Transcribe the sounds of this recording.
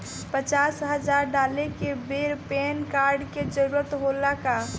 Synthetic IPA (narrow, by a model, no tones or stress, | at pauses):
pət͡ʃaːsɦəd͡ʒaːɾɖaːlekebeːɾpeːnkaːɾɖked͡ʒəɾuːɾət̪ɦoːlaka